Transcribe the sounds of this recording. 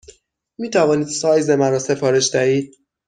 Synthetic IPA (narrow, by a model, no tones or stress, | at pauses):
miːt̪ʰævɒːniːd̪sɒːjzemæɾɒːse̞fɒːɾeʃd̪æɦiːd̪̥̚